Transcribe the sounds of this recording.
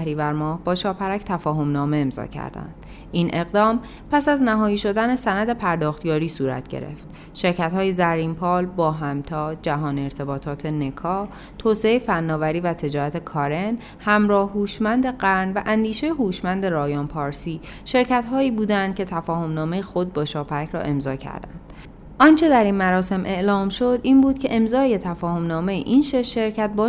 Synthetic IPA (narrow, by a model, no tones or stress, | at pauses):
ɾiːvæɾmɒːhbɒːʃɒːpʰæɾæcʰt̪ʰæfɒːɦo̞mnɒːme̞emzɒ̰ːcʰæ̰ɾd̪æ̰nd̪ | ʔiːnʔe̞ɣd̪ɒːm | pʰæsæznæɦɒːjiːʃo̞d̪ænesænæd̪e̞pʰæɾd̪ɒːxt̪jɒːɾiːsuːɾæ̰t̪ɟ̥e̞̰ɾe̞̰ft̪ | ʃe̞ɾcʰæt̪hɒːjezæɾiːmpʰɒːlbɒːɦæmt̪ʰɒːd͡ʒæɦɒːneɾt̪ʰe̞bɒːt̪ʰɒːt̪ʰene̞kʰɒː | t̪ʰoːseejfænːɒːvæɾiːvæt̪ʰe̞d͡ʒɒːɾæt̪ʰe̞kʰɒːɾe̞n | hæmɾɒːhhuːʃmænd̪e̞ɢæɾnvæʔænd̪iːʃe̞jeɦuːʃmænd̪eɾɒːjɒːnpʰɒːɾsiː | ʃe̞ɾcʰæt̪ɦɒːiːbuːd̪ænd̪̥̚cʰe̞t̪ʰæfɒːho̞mnɒːme̞jexo̞d̪̚bɒːʃɒːpʰæcʰɾɒ̰ːʔe̞mzɒːcʰæ̰ɾd̪æ̰nd̪̥ | ʔɒnt͡ʃʰe̞d̪æɾiːnmæɾɒːse̞mʔe̞ʔlɒːmʃo̞d̪iːnbuːd̪̥cʰe̞ʔe̞mzɒːje̞t̪ʰæfɒːho̞mnɒːme̞jḛʔiːnʃeʃːe̞ɾcʰæt̪̚bɒː